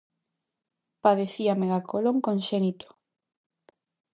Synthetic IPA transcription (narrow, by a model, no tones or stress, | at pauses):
paðeθiameɣakʰoloŋkõnʃɛnit̪o̥